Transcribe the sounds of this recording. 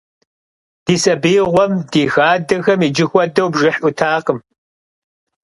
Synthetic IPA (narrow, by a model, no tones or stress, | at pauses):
d̥iːsʼɐbiːʁʷɔmd̥iːxaːdɐxɐmiːd͡ʒɪxʷɔdɐwbʒɨħʊtʰaːqəm